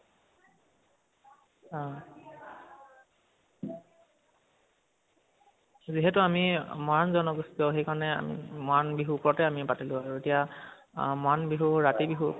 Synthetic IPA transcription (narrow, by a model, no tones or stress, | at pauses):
ziɦɛtʊamimanzɔnɔkɡusi̥sɔʊxejkaɹɔnɛa̰mḭmɔanbiɦuːpɔɹɔtɛamipatilʊ̃aɹuetija | manbiɦuɹatibiɦu